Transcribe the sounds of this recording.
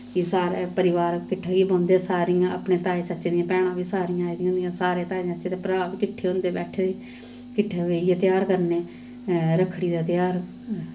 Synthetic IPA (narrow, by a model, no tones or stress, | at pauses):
iːsaːɾeːpəɾɪʋaːɾkɪʈʰːaːɡibãːnd̪esaːɾijãːə̰pɳeːt̪aːeːt͡ʃət͡ʃːd̪ijãːpɛːɽ̃ãːʋiːsaːɾiːãːiːd̪iɦʊ̃nd̪ijãːsaːɾeːt̪aːet͡ʃət͡ʃeːt̪eːpəɾaːbiːkɪʈʰːeːɦʊ̃nd̪eːbɛːʈʰeːd̪eː | kɪʈʰːaːʋeːijeːt̪jaːɾkəɾneː | ɾəkʰːɽiːd̪aːt̪ɪjaːɾ